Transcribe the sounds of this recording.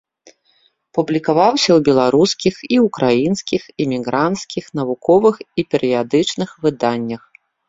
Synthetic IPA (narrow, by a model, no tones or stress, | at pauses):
publʲikavawsʲɐwbʲɛlˠaɾuskʲixiukɾajinskʲixɛmʲiɣɾant̪skʲixnɐvukɔvɨxipʲɛɾɨjad̪ɨt͡ʂnɨxvɨd̪anʲːɐx